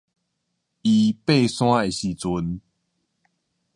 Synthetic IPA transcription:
i˨pe˥˨sw̃ã˦e˨ɕi˨t͡su˧˦n

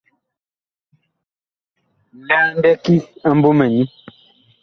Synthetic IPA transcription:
n˨da˦n̩˦dɛ˦ki˦a˦m˦bo˦mɛ˨ni˦

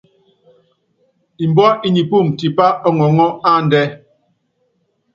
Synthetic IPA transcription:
i˨m˨bɔ˦i˦˨ɲi˨pu˦˨m˨ti˨pa˦ɔ˦ŋɔ˨ŋɔ˦a˦˨n˨dɛ˦

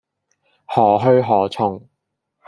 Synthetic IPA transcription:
hɔː˨˩ɦɵ˧ɥɦɔː˨˩t͡sʰʊ˨ŋ

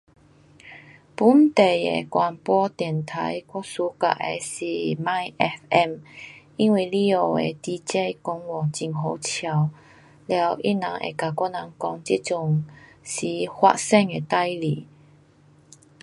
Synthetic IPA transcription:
pu˧˦nt̪e˨jḛ˨˩kwa˨˩npwɔ˧t̪ɛ˨˩ənt̪ʰa˨˧˦jkɔ˥su˧ka̰˨˩ʔḛ˧si˨˩ma˥˧jʔɛ˧˥fɛ˥˧m | i˧˥nwi˧˩li˧o˨˧˩ḛ˧t̪i˧t͡ɕe˥˧kʊ˧˥ŋwɔ˨˩t͡ɕi˧˨˩ŋɦo˧˦wt͡ɕʰja˨˩w | lja˧˦wʔḭ˦na̰˧˦ŋʔḛ˨˧˩ka˨˩kwɔ˥na˧˦ŋkɔ˧˥ŋt͡ɕi˦˥t̚t͡sʊ˧ŋsi˨˩hwa̰˧t̚sɛ˥˩ŋe˨˧˩t̪a˥˧jli˨˩

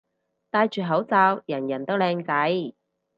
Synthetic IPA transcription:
t̪aː˧jt͡ʃyː˨ɦɐ˨˥wt͡saː˧wjɐ˨˩njɐ˨˩nt̪o˥wlɛː˧ŋkɐ˨˥j

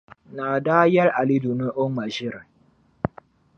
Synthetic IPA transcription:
naː˨daː˦jɐ˦ɾʔa˨li˦du˨nu˦ʔʊ˦ŋma˨ʒi˦ɾ

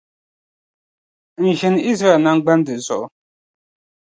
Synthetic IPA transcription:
n̩˨ʒɛ˨n˨i˦z̬ɾa˦ɛ˨lna˦ŋ˦ɡ͡ba˦n˦dɨ˨zɔ˨ʔʊ˨

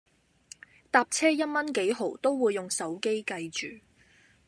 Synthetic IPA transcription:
t̪aː˧p̚t͡sʰɛː˥jɐ˥t̚mɐ˥nke˨˥jɦo˨˩wt̪o˥wwuː˨˧jːʊ˨ŋsɐ˨˥wke˥jkɐ˧jt͡ʃyː˨˩

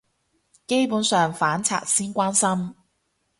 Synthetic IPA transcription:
ke˥jpuː˨˥nsœː˨ŋfaː˨˥nt͡sʰa̰ː˨t̚siː˥nkʷaː˥nsɐ˥m

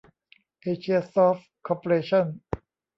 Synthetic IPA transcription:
ʔeː˧t͡ɕʰi˧ɐsɔː˥f | kʰɔː˧po˧eː˧t͡ɕʰɔ˥˩n

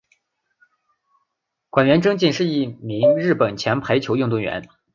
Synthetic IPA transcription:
kwa˨˩nɥɛ˧˥nʈ͡ʂɤ˥ŋt͡ɕi˥˧nʂɻ̩˥˧i˥˩mi˧˥ŋɻɻ̩˥˩pə˨˩nt͡ɕʰjɛ˧˥npʰa˧˥ɪt͡ɕʰjo˧˥ʊjʊ˥˧ŋt̪ʊ˥˩ŋɥɛ̰˧˥n

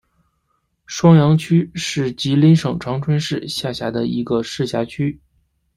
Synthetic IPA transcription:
ʂwɑ˥ŋjɑ˧˥ŋt͡ɕʰy˥ʂɻ̩˥˩t͡ɕi˧˥li˧˥nʂɤ˨˩ŋʈ͡ʂʰɑ˧˥ŋʈ͡ʂʰwə˥nʂɻ̩˥˩ɕja˥˩ɕja˧˥d̪ə˧i˧˥ɡə˧ʂɻ̩˥˩ɕja˧˥t͡ɕʰy˥

